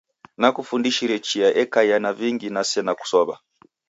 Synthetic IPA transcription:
nakufundiʃiɾɛt͡ʃiaʔɛkajanaviŋɡinasɛnaku̥sɔβa

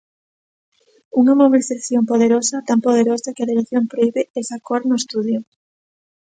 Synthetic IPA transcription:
uŋɐmoβiliθaθjompoðeɾosɐt̪ampoð̞eɾosɐkɪaðiɾeθjompɾoiβɪesakoɾnʊest̪uðjʊ

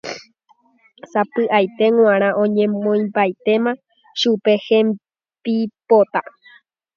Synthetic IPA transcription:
sapɨʔajt̪e̞ŋw̃ãɾ̃ãʔõɲẽ̞mõj̃mbajt̪e̞mã | ʃupe̞hẽm | bipot̪a

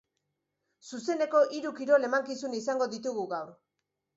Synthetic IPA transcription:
suse̞ne̞ko̞ʔiɾukiɾo̞le̞maŋkisunisaŋɡo̞ðit̪uɣuɣawɾ

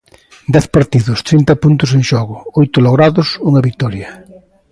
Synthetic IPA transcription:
d̪ɛθpaɾt̪iðʊst̪ɾint̪ɐpunt̪ʊs̬eŋʃɔɣʊojt̪ʊloɣɾaðʊsuŋɐβik̚t̪ɔɾjɐ

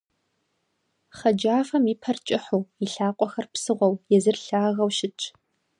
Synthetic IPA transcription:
χɐd͡ʒaːfɐmipʰɐrt͡ʃʼɪħuːiɬaːqʷʼɔxɐrpsɨʁʷɔwjɛzɨrɬaːɣɐwʃɪt͡ʃʼ

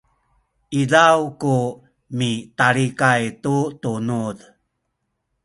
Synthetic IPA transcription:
ilawku | mitaɾikajtutunuð

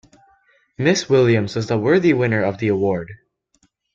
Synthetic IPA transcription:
mɪswɪlˠjɨ̃mzwʌzðəwɜ˞ðiwɪ̃nə˞ʌvðiəwɔɹd̥

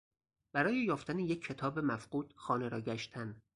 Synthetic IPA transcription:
b̥æɾɒːjejɒːft̪ænejecʰːe̞t̪ʰɒːbe̞mæfɢ̥uːd̪̥xɒːne̞ɾɒːɟæʃt̪ʰæn

